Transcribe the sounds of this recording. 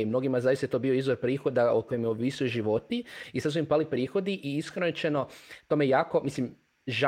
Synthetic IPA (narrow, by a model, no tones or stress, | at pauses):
imno̞ɡimazaːjist̪at̪obioizʋo̞ɾpɾiːxo̞d̪ao̰ko̞jemjeoʋisujeʒiʋo̞t̪iisad̪s̬uimpalipɾiːxo̞d̪iʔiiskɾonot͡ʃeno̞t̪omeejaːko̞mislim | ʒa